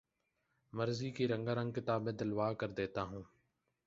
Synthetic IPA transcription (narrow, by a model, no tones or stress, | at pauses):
məɾziːkiːɾə̃ŋɡaːɾə̃ŋɡ̚kɪt̪aːbẽːd̪əlʋaːkəɾd̪eːt̪aːɦũː